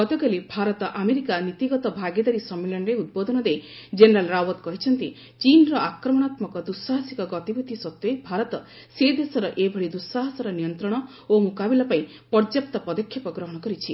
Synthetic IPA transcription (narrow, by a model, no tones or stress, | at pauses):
ɡɔt̪ɔɡelibʱaɾɔt̪ɔʔameɾikanit̪iɡɔt̪ɔbʱaɡed̪aɾisɔmːelɔnɔɾeud̪̚bod̪ʱɔnɔd̪ejd͡ʒeneɾalɾawɔt̪kɔɦit͡ʃʰɔnt̪i | t͡ʃinɾɔakɾɔmɔñat̪mɔkɔd̪usːaɦasikɔɡɔt̪ibud̪ʱisɔt̪ːuebʱaɾɔt̪ɔ | sed̪esɔɾɔʔebʱɔɭid̪usːaɦasɔɾɔnijɔnt̪ɾɔɽ̃ɔ | omukabilɔpaĩ | pɔɾd͡ʒjap̚t̪ɔpɔd̪ɔkʰjapɔɡɾɔɦɔɽ̃ɔkɔɾit͡ʃʰi